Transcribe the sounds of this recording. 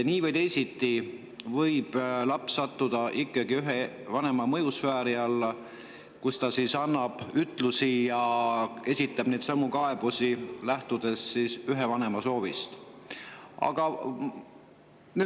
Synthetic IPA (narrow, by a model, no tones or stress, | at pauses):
niːvɤjd̪e̞jsit̪ːˑi | vɤjb̥lɑpsːɑt̪ːud̪̥ɑʔikːˑɑɡiyɦe | vɑne̞mɑmɤjusfæːɾiɑlːɑ | kust̪ɑsisɑnːɑb̥yt̪ˑlusijɑe̞sʲit̪ːˑɑb̥ne̞jt̪sɑmːukɑe̞b̥usilæht̪ud̪̥e̞ssiːsyɦe̞vɑne̞mɑso̞ːvist̪ | ɑ̰ɡ̥ɑ | ne